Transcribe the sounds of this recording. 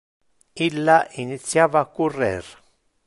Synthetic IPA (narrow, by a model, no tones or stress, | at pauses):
ilːaʔinit̪sːjaːvaːkːurːɛ̰r